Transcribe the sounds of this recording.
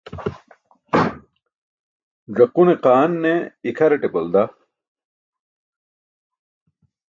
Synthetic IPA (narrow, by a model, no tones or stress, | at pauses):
zɐquneqaːnːeikʰɐɾeʈebɐld̪a